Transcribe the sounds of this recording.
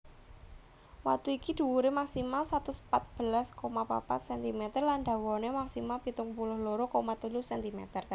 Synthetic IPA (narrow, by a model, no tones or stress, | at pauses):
wa̰k̚t̪uikid̪̥ṳuɾemaksimalsat̪uspat̪̚b̥əlaskomapa̰pa̰t̪̚sɛnt̪imet̪ərlanɖ̪a̤wɔnemaksimalpit̪ʊŋpulʊhloɾokomat̪ulusɛnt̪imḛt̪ər